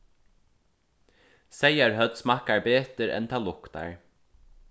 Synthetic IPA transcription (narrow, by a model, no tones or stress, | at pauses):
sɛjaɹɦœt̪smahkaɹbeːt̪əɾɛ̰nt̪ʰaːlʊkt̪a̰ɹ